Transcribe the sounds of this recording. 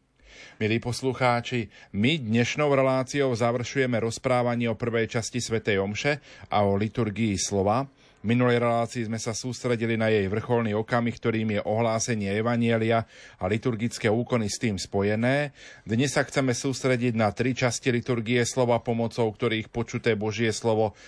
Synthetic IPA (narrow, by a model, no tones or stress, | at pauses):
miliːpɔsluxaːt͡ʃimid̪ɲɛʃnɔʊɾɛlaːt͡siɔʊzaʋr̩ʃujɛmɛɾɔspɾaːʋaɲɪːɔpr̩ʋɛjt͡ʃascisʋɛt̪ɛjɔmʃɛʔaɔlit̪uɾɡiːslɔʋa | minulɛjɾɛlaːt͡siizmɛsasuːst̪ɾɛɟilinajɛjʋr̩xɔlniɔkamikt̪ɔɾiːmjɛʔɔɦlaːsɛɲɪɛɛʋaɲɪɛliaalit̪uɾɡit͡skɛːuːkɔnist̪iːmspɔjɛnɛːd̪ɲɛsːaxt͡sɛmɛsuːst̪ɾɛɟiɟnat̪ɾit͡ʃascilit̪uɾɡiɛslɔʋapɔmɔt͡sɔʊk̚t̪ɔɾiːxpɔt͡ʃut̪ɛːbɔʒɪɛslɔʋɔ